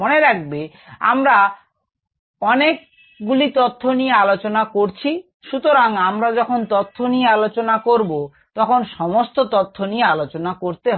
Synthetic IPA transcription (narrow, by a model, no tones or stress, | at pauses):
oneɾak̚be | a̰mɾa | ɔnek̚ | ɡulit̪ot̪ʰːonijealot͡ɕonakoɾt͡ɕʰi | ʃut̪oɾaŋamɾad͡ʑɔkʰont̪ot̪ʰːonijealot͡ɕonakoɾbo | t̪ɔkʰonʃɔmost̪ot̪ot̪ʰːonijealot͡ɕonakoɾt̪e